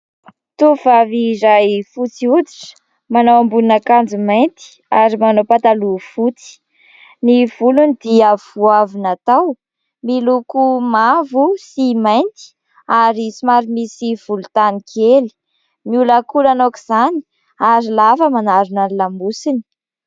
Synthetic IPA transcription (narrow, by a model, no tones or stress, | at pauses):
t̪uv̥avizajfut͡siut͡s̪i̥ʈ͡ʂə̥ | manowambunnakand͡zumajnt̪i̥ | aɾimanowpat̪alufut͡si̥ | niv̥ulunid̪iəvuavinat̪aw | milukumavusimajnt̪i̥ | aɾisimaɾimisiv̥ulut̪anikʰeli̥ | miulakulanokiz̥ani̥ | aɾilafəmanaɾunailambusini̥